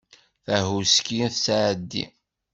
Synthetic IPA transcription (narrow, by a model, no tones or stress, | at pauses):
θæɦuskiθsaʕd̪ːḭ